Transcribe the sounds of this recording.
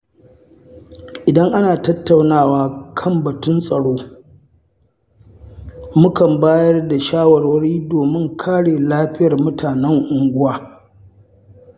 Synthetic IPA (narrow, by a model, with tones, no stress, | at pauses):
ʔɪ˨dɐ˦ŋʔa˦naː˨tɐ˦tːa˨wnaː˦˨waː˦kʰɐ˦˨mbɐ˨tʊ˦nsʼɐ˨ɽoː˦ | mʊ˦kɐ˨mbaː˦jɐ˦rda˨ʃaː˦wɐ˨rwɐ˦ɾiː˦doː˨mɪ˦ŋkʰaː˦ɽeː˨laː˦ɸɪ˦jɐ˨rmʊ˦taː˨nɛ˦ŋʔʊ˨ŋɡʷʊ˦waː˨